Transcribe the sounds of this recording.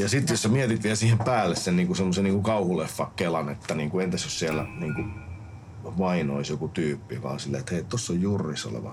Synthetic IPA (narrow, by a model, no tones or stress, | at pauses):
jɑsit̪jossæmiɛt̪it̪ʋiælsiːhempæːlːessenniːŋkusemːosenniːŋkukɑuhulefːɑkkelɑnet̪ːæniːŋkuent̪esossiælːæ̰niːŋku | ʋɑinoisjokut̪yːpːiʋɑ̰ːsilːḛːt̪heit̪t̪osːojjurːiso̰lḛʋɑ̰